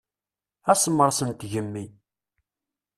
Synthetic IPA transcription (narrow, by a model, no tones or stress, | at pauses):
æsəmːəɾˤsənt̪ʝəmːi